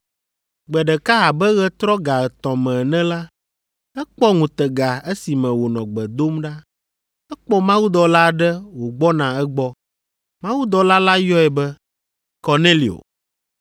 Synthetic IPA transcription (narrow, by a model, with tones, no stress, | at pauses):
ɡ͡bɛ˨ɖɛ˨ka˦a˨bɛ˦ɣɛ˦t̪ɾɔ˦ɡa˨ɛ˨t̪ɔ̃˨mɛ̃˨nɛ̃˦la˦ | ɛ˦k͡pɔ˦ŋũ˨t̪ɛ˨ɡa˨ɛ˦si˨mɛ̃˨wo˨nɔ̃˨ɡ͡bɛ˨d̪o˦mɖa˦ | ɛ˦k͡pɔ˦mã˦wu˦d̪ɔ˨la˦˨ɖɛ˦wo˨ɡ͡bɔ˦nã˨ɛ˦ɡ͡bɔ˦ | mã˦wu˦d̪ɔ˨la˦la˦jɔ˦ɛ˨bɛ˦ | ko˨ne˦li˨o̰˨